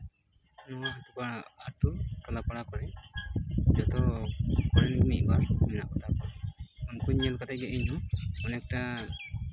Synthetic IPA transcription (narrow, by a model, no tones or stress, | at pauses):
nɔat̪upaaʈutɔlapaɽakɔɽɛ | d͡ʒɔt̪ɔkɔɾɛnmit̪̚ˀbaɾmɛna̰kɔt̪ʰakɔɔmkuɲːɛlkat̪ɛɡɛʔiɲɔɔnɛk̚ʈa